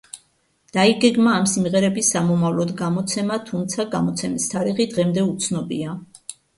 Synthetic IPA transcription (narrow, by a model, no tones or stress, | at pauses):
d̪̥aiɡɛɡmaːmsimʁɛɾɛbisːamɔmavlɔd̪ɡamɔt̪sʰɛmat̪ʰumt̪sʰaɡamɔt̪sʰɛmist̪ʰaɾiʁid̪ʁɛmd̪ɛut̪sʰnɔbḭa